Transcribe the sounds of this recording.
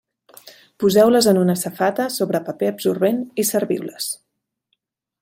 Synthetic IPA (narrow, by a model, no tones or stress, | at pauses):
puzɛwləzənunəsəfat̪əsoβɾəpəpeəbsurβenisəɾβḭwləs